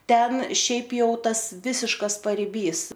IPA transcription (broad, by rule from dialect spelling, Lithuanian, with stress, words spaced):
ˈtʲɛn ˈʃʲɛɪp jɛʊ ˈtɐs ˈʋʲɪsʲɪʃkɐs pɐrʲɪˈbʲiːs